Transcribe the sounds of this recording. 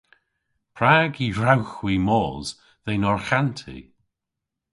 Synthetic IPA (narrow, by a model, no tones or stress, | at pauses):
pʰɾaːɡiɹawxwimɔːz̥ | ðejnɔɹxantʰḭ